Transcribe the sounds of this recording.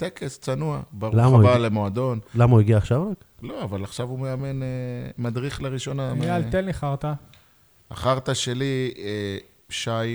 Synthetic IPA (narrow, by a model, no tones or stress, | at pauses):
t̪ekest͡sanuabaʁulamabalemoad̪o̞nlamauiɡiaːχʃavʁak | lo̞avalaχʃavumeamenemad̪ʁiχleʁiʃo̞namialt̪elniχaʁt̪a | a̰χaʁt̪aʃelie | ʃaj